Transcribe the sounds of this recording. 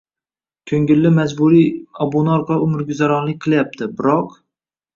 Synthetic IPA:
kʲʰɵŋɡʲɪlːɪmad͡ʒbuɾijɒbonɒɾqʰɑʊmɪɾɡʲyzaɾɒnlˠɪk̚ʲqʰɨlˠjap̚t̪ʰɪbɪɾɒq

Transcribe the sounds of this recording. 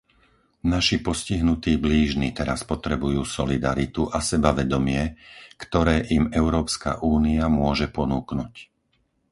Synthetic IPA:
naʃipɔsciɦnut̪iːbliːʒnit̪ɛɾaspɔt̪ɾɛbujuːsɔlid̪aɾit̪uʔasɛbaʋɛd̪ɔmɪɛkt̪ɔɾɛːʔimɛʊɾɔːpska̰ʔuːniamʊɔʒɛpɔnuːknuc

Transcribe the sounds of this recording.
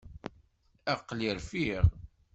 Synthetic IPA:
æqliɾfiʁ

